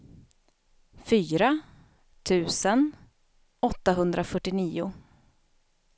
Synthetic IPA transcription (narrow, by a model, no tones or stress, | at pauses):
fyːɾa | t̪ʰʉ̟ːsən | ɔt̪ːaɦɵnd̪ɾafœʈːɪniːʊ